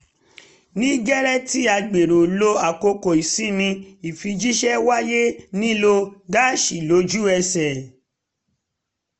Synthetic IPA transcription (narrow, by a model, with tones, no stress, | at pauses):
nĩ˦ɡɛ˦ɾɛ˦ti˦a˧ɡ͡be˨ɾo˨lo˧a˨ko˧ko˨i˨si˦nĩ˧i˨fi˧d͡ʒi˦ʃɛ˦wa˦je˦nĩ˦lo˧ɡa˦˨ʃi˨lo˨˦d͡ʒu˦ɛ˧sɛ˨